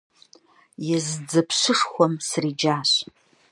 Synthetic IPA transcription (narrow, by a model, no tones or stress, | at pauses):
jɪzd͡zɨpʰɕɨʂχʷɔmsrid͡ʒaːɕ